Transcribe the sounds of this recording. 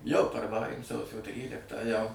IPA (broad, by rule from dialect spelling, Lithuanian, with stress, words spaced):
jɛʊ pɐrʋɐˈrɐɪ ˈsɐʊsʲoː ˈtʲrʲiːlʲɪktɑː jɛʊ